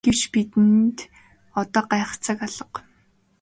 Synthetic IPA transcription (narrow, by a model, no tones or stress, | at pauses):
ɡ̥ewt͡ɕpit̪ɘ̆nt̪ | ɔt̪ɔːɢaːχt͡saːkaɮə̆q